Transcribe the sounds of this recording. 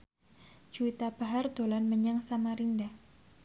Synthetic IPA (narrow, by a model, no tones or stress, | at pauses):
d͡ʒuit̪ab̥aɦard̪̥olanməɲaŋsamaɾindah